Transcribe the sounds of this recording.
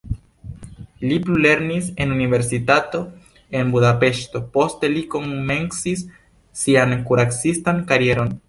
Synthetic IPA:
liplule̞ɾnise̞nunive̞ɾsit̪at̪o̞ | e̞nbuðape̞ʃt̪o̞po̞st̪e̞liko̞ŋme̞nsisː | iaŋkuɾaksistaŋkaɾje̞ɾo̞n

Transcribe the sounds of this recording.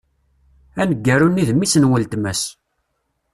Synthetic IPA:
ænəɡːæɾunːiðmːisənwəlt̪mæs

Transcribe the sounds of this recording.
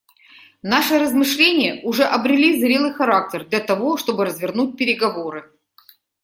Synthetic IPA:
naʂɨɾəzmɨʂlʲenʲɪjəʔʊʐɛʔɐbɾʲɪlʲizɾʲe̞lˠɨjxɐɾak̚tʲɪrd̪lʲɐt̪ɐvo̞ʂt̪o̞bɨɾəzvʲɪrnut̚ʲpʲɪɾʲɪɡɐvo̞ɾɨ

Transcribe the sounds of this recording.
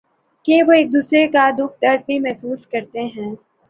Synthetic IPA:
kẽʋoeːk̚d̪uːsɾekad̪ʊkʰt̪ɐɾbimɛɦsuːskɐɾt̪eɦɛ̃ː

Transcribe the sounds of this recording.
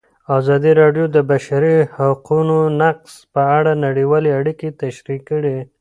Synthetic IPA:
ɑzɑd̪iɾɑɖjod̪əbaʃaɾihaqunonaqspəaɽanaɽiwɑleaɽiket̪aʃɾikːəɽe

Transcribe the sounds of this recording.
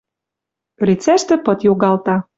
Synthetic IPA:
rʲit͡sæʃt̪ɘ̆pɤ̆t̪joɣɑlt̪ɑ

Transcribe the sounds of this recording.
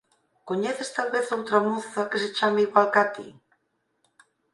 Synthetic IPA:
koɲeθest̪alβeθowt̪ɾɐmuθɐkeset͡ʃamɪiɣwalkat̪ḭ

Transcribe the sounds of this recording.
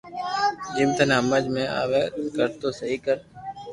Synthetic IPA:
d͡ʒɪmt̪ənːɦəməd͡ʒmẽːʔa̰ːʋeːkəɾt̪oːsəɦiːkəɾ

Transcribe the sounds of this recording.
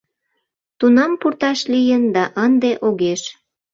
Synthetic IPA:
t̪unɑmpurt̪ɑʃlijənd̪ɑʔənd̪eʔoɣeʃ

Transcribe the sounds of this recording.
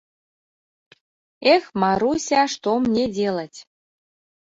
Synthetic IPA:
exmɑɾusʲɑʃt̪omnʲedʲelətʲ

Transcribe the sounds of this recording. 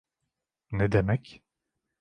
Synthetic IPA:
nɛd̪emɛc

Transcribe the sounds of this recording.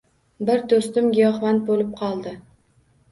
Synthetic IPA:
bɪɾd̪ost̪ɪmɡʲijɒχvant̪̚bolɪp̚qʰɒlˠd̪ɪ

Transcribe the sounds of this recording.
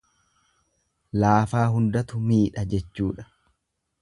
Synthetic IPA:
laːfaːɦʊnd̪ɐt̪ʊmiːᶑɐd͡ʒɛt͡ʃːuːᶑɐ̥

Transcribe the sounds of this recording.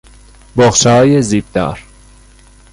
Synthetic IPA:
boχʃɛɦɒːjeziːb̚d̪̥ɒ̰ːɾ

